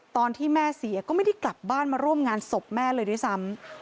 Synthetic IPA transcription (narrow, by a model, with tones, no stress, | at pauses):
t̪ɔː˧nt̪ʰiː˥˩mɛː˥˩si˩˦ɐkɔː˥˩ma˥˩jda˥˩jkla˨˩p̚baː˥˩nmaː˧ɾu˥˩əmŋaː˧nso˨˩p̚mɛː˥˩lɤː˧jdu˥˩sa˦˥m